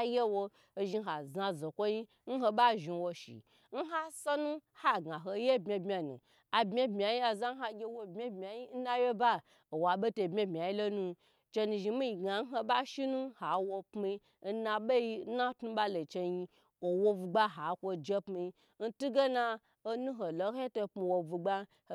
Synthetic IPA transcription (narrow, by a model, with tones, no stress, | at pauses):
je˦wo˧˨ | ʒi˧˦ɦa˨za˧˨zo˨kʷo˦ji˦ | n̩˦ɦo˧ɓa˦ʒi˧wo˧ʃḭ˨ | n̩˦ɦa˦so˦nũ˦ha˦˨ɡa˨ɦo˧˦je˦bmʲe˧bmʲa˨nṵ̃˨ | a˨bmʲe˦bmʲ˨a˨ji˦a˨za˦n̩˦ɦa˧ɡʲe˧wo˧bmʲe˦bmʲ˨a˨ji˦n̩˦na˦je˦ba˦ | o˨wa˨be˦to˧˨bmʲe˦˨bmʲ˨a˨i˦lo˦nũ˧ | t͡ʃe˧nu˧ʒi˧mi˦i˨ɡa˨n̩˦ɦo˧ba˦ʃi˦nũ˦ha˨wo˧pmi˧˦ | na˧ɓe˦ji˧˦na˦tnu˦ɓa˦lo˨t͡ʃe˧ji˧ | wo˨wo˦vu˧ɡ͡ba˦ɦa˨kʷo˧d͡ʒe˦pmi˧˦ | n̩˦tu˦ɡe˦na˧ | o˦nũ˦ɦo˨lo˨˦hto˧pmu˧wo˧vu˧ɡ͡ba˦ | ho˨